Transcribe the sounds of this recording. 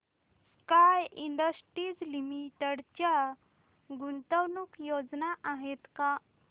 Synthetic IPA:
kajiɳɖəsʈɾid͡zlimiʈəɽt͡ɕja | ɡunt̪əwnukjod͡znaʔaɦet̪ka

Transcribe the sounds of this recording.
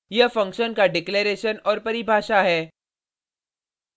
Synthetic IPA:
jɐfɐ̃ŋkʃənkaɖɪkleːɾeːʃənɔːɾpɐɾibʱaːʃaɦɛː

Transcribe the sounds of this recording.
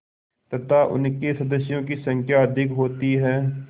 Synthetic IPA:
t̪ət̪aːʔʊ̰nkeːsəd̪əsɪjõːkiːsəŋkʰjaːd̪ʱɪkɦoːt̪iːɦɛː

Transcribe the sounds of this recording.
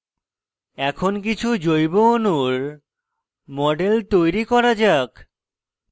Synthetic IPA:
ɛkʰonk̬it͡ɕʰud͡ʑojbonuɾ | mɔɖelt̪ojɾikɔɾad͡ʑak

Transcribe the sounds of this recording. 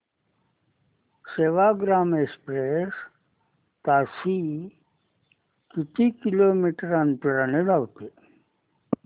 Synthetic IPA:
seʋaɡɾaːmekspɾes | t̪aːsi | kit̪ikiloːmiʈɾanpiɾaneɖawt̪e

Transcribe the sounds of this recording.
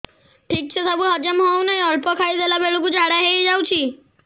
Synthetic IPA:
ʈʰik̚t͡ʃʰɛsʰabuɦad͡ʒamɦɔwnajɔlpɔkʰaid̪ʱelabeɭukud͡ʒaɽaɦeid͡ʒawt͡ʃʰi

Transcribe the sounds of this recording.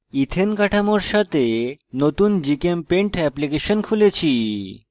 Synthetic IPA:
it̪ʰenkaʈʰamoɾʃat̪enot̪und͡ʑikempeɳʈɛplikeʃonkʰulet͡ɕʰi

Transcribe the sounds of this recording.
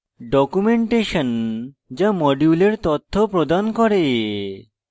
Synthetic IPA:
ɖɔkumeɳʈeʃon | d͡ʑamɔɖjuleɾt̪ot̪ʰːopɾod̪ankɔɾe

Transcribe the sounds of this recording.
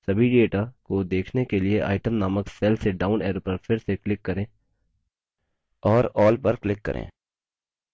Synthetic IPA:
sɐbʱiɖeːʈakod̪eːkʰnekelieʔa̰ːɪʈəmnaːməkseːlseɖaːʊnɛːɾpɐɾfʰɪɾseklɪkːɐɾẽː | ɔːɾɔːlpɐɾklɪkːɐ̰ɾʔḛ̃ː

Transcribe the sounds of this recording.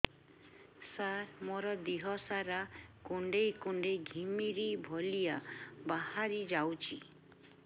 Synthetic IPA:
saɾmoɾɔd̪iɦɔsaɾakuɳɖejkuɳɖeɡʱimiɾibʱɔlijabahaɾid͡ʒawt͡ʃʰi

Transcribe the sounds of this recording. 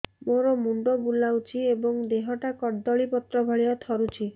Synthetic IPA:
moɾɔmuɳɖɔbulawt͡ʃʰiebɔŋd̪eɦɔʈakɔɾd̪ɔɭipɔt̪ɾɔbʱɔɭiɔt̪ʰɔɾut͡ʃʰi

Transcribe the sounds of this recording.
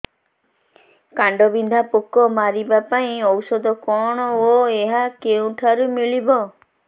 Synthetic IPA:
kaɳɖɔbind̪ʱapokɔmaɾibapaĩɔwsɔd̪ɔkɔɽ̃ɔoeɦakeũʈʰaɾumiɭibɔ

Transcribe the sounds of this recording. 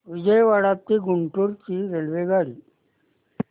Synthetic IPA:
ʋid͡ʑəjʋaɽat̪ːiːɡuɳʈuɾt͡ɕiːɾelʋeɡʱaɽiː

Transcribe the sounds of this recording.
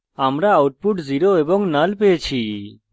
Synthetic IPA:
amɾaːwʈ̚puʈziɾoebɔŋnalpeet͡ʃʰi

